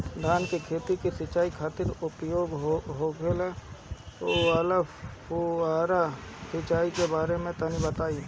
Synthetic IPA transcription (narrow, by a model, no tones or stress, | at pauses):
d̪ʱaːnkekʰeːt̪ikisɪt͡ʃaːikʰaːt̪ɪɾʊpjoːɡɦokelet̪oalə | oaːɾasɪt͡ʃaːikebaːɾemẽt̪ənibət̪aːi